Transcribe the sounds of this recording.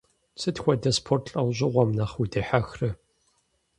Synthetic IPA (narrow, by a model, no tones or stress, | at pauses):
sʰɨtxʷɔdɐspʰortʰɬʼɐwʑɪʁʷɔmnɐχudeːħaxrɨ